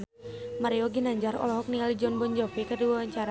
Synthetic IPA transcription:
maɾiɔɡinaɲd͡ʒaɾɔ̰lɔɦɔk̚niŋalid͡ʒɔnbɔɲd͡ʒɔpikəduwawaɲt͡ʃaɾa

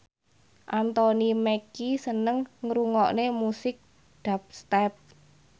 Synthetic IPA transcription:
ʔant̪ɔnimekisənəŋːɾuŋɔʔnemusɪk̚ | d̪̥a̤p̚st̪ɛp̚

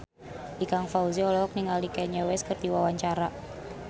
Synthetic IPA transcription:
ʔikaŋfauziɔlɔk̚niŋalikɛɲawɛskɨrd̪iwawaɲt͡ʃaɾa

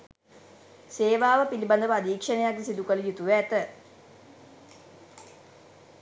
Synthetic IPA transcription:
seːʋaːʋəpiliband̪əʋəad̪iːkʂənejaɡisid̪ukələjut̪uʋːt̪ə

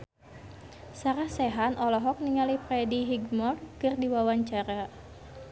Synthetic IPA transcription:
saɾahsɛɦanʔɔlɔɦɔk̚niŋaliprɛdiɦiɡmɔrkɨrdiwawaɲt͡ʃaɾa

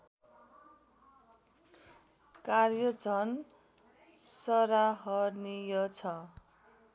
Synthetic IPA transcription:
karjʌd͡zʱʌn | sʌɾaɦʌrnijʌt͡sʰʌ

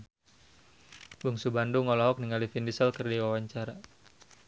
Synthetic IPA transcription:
buŋsubanduŋɔlɔɦɔk̚niŋalifindisəlkərdiwawaɲt͡ʃaɾa

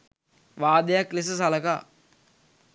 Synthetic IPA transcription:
ʋaːd̪əjakles̬əs̬aləkaː

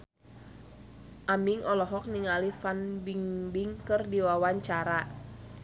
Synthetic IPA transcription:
ʔamiŋɔlɔɦɔk̚niŋalifanbiŋbiŋkɨrdiwawaɲt͡ʃaɾa

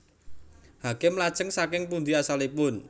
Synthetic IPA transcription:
hakemlad̥ʒ̥ə̤ŋsakɪŋpund̪iasalipʊn

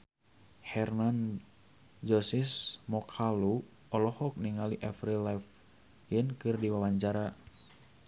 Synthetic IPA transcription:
hɛrnan | d͡ʒɔsismɔkʰalu | ɔlɔhɔk̚niŋaliʔɛfɾilaf | jɨnkɨrdiwawaɲt͡ʃaɾa

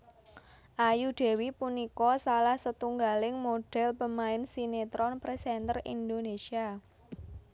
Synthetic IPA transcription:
ʔajuɖ̪̥ɛ̤wipunikɔsalahsət̪uŋɡalɪŋmoɖ̥ɛ̤lpəmaɪnsinet̪ɾɔnpɾesɛnt̪ərḭnd̪onesia

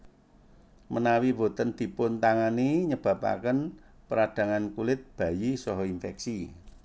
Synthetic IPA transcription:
mənawibo̤t̪ənd̪̥i̤pʊnt̪aŋaniɲəb̥ä̤pa̰kən | pəɾad̪̥ä̤ŋankulɪt̪̚b̥a̤jisɔɦɔinfɛksi

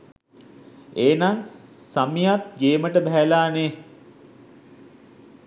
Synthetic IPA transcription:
eːnaŋsamijat̪̚ɡeːməʈəbɛɦælaːne

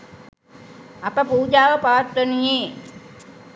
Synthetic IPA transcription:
apəpuːd͡ʒaːʋəpaʋat̪ːənije

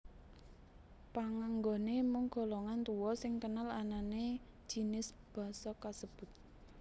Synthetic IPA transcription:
paŋaŋɡonemʊŋɡ̥ɔ̤lɔŋant̪uwɔsɪŋkənalanane̥ | d͡ʒ̥i̤nɪs | b̥a̤sɔkasəb̥ʊ̤t̪̚

